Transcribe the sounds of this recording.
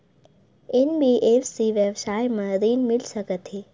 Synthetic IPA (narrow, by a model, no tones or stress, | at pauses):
enbiʔefsiʋjəʋsaːjmə̃ziːnmɪlsəkət̪ʰeː